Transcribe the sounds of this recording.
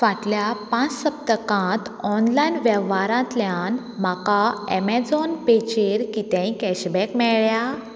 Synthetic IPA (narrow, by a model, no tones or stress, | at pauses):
ʋaʈljapãt͡ssəp̚t̪əkãt̪ɔnlajnʋɛʋʋaɾãt̪ljãn | m̤akaɛmɛd͡zɔnpet͡ɕeɾkit̪ɛ̃ĩkɛɕbɛkmɛɭɭja